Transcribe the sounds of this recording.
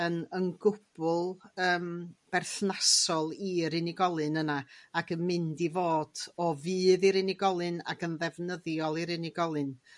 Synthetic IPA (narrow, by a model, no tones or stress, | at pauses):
ənənɡʊb̥ʊlˠəːmb̥ɛrθnasɔlˠiɾɪnɪɡɔlˠɨnənaaɡəmɪndivoːd̥ɔvɨːðiɾɪnɪɡɔlˠɨna̰ɡənðɛvnəðjɔlˠiɾɪnɪɡɔlˠɨn